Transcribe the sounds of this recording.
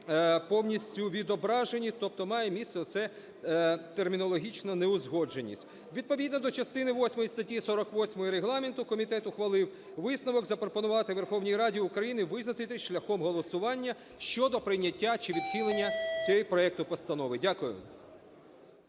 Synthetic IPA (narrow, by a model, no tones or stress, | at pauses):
pɔwnʲisʲtʲʊʋʲid̪ɔbɾɑʒenʲit̪ɔp̚t̪ɔmɑjɛmʲissɛɔt̪sɛ | t̪ermʲinɔlˠɔɦʲit͡ʃnɐneʊzɦɔd͡ʒenʲːḭsʲtʲ | ʋʲid̪̚pɔʋʲid̪nɔd̪ɔt͡ʃɐst̪ɪnɪʋɔsʲmɔjist̪ɐtʲisɔɾɔkʋɔsʲmɔjɔɾeɦlˠɑment̪ʊkɔmʲit̪ɛt̪ʊxʋɐlˠɪw | ʋɪsnɐʋɔɡzɐpɾɔpɔnʊʋɑt̪ɪʋerxɔwnʲijɾɑdʲiʊkɾɐjinɪʋɪznɐt̪ɪt̪ɪʃlʲɐxɔmɦɔlˠɔsʊʋɑnʲːɐ | ʃt͡ʃɔd̪ɔpɾɪjnʲːɐtʲːat͡ʃɪʋʲid̪xɪlˠenʲːɐt͡sʲɛjipɾɔɛk̚t̪ʊpɔst̪ɐnɔʋɪdʲakʊjʊ̰